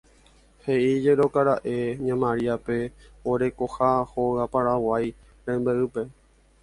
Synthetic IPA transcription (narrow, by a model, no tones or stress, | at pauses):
he̞ʔid͡ʒeɾo̞kaɾaʔeɲãmãɾiape̞oɾe̞ko̞haho̞ɣapaɾawaj | ɾẽmbeʔɨpe̞